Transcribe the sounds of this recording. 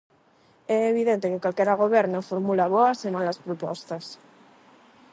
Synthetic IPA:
ɛeβ̞iðent̪ekekwalkeɾaɣ̞oβ̞eɾnofoɾmulaβoasemalaspɾopɔ̰st̪as

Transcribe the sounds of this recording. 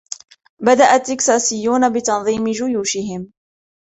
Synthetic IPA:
bad̪aʔat̪ːɪksaːsɪjːuːnabɪt̪ɑnðˤiːmɪd͡ʒʊjuːʃɪɦɪm

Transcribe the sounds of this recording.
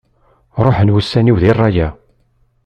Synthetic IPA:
ɾˤoħənwusːæniwðirˤːɑjæ

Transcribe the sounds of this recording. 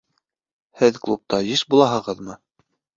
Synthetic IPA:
hɘðklˠup̚t̪ɑjiʃbulˠɑɦɤ̆ʁɤðmɤ

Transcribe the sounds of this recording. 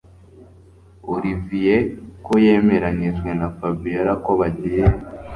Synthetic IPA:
uɾivije̞koje̞ːme̞ɾaɲiʒɡwe̞nafabijaɾakoβaɟije

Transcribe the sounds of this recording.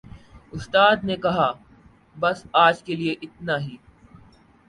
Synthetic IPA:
ʊst̪aːd̪nekɐɦaː | bɐsaːd͡ʒkelieʔɪt̪̚naɦiː

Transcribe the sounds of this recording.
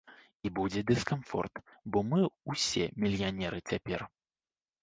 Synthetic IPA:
ibud͡zʲɛd̪ɨskamfɔ̰rt̪bɔmɨwsʲɛ̰mʲilʲjanʲɛɾɨt͡sʲapʲɛr

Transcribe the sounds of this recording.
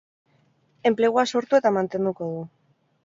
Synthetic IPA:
e̞mple̞ɣuaso̞ɾt̪ue̞t̪amant̪e̞nd̪uko̞ðu

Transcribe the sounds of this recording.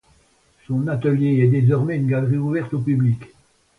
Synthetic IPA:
sɔ̃nat̪əljeɛd̪ezɔʁmɛynɡalʁiuvɛʁt̪opyblik

